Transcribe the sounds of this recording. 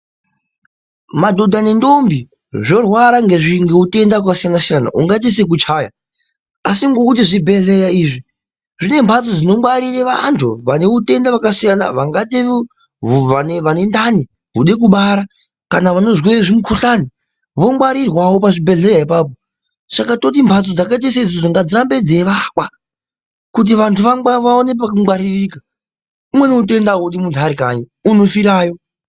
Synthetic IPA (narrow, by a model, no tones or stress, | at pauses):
madʱo̞dʱane̞ndo̞mbi | ʐo̞rwaɾaŋɡe̞ʐiŋɡeute̞ndaakasijanasijana̰ʔuŋɡat̬is̬ek̬ut͡ʃaːja̰ | asiŋɡo̞kut̬iʐibʱe̞ɮe̞jaiːʐi | ʐine̞mbʱatod͡zino̞mwaɾireʋantʰuʋane̞ute̞ndaʋakasijana̰ʋaŋɡateʋ | uʋaneʋane̞ndani | ɦuɗe̞k̬uɓaɾa | kanaʋano̞zweeʐimukʰuɬani | ʋo̞ŋɡwaɾirwawo̞paʐibʱe̞ɮe̞jaipap̬o | sakato̞t̬impʰat͡sod͡zakaet̬ais̬aid͡zod͡zoŋɡad͡ziɾambe̞d͡ze̞ʋakwa | kut̬iʋantʰuʋaŋɡwaʋaone̞pakuŋɡwaɾirika | umwe̞neut̬e̞ndauɗimuntʰaɾikaɲiuno̞fiɾaːjo̞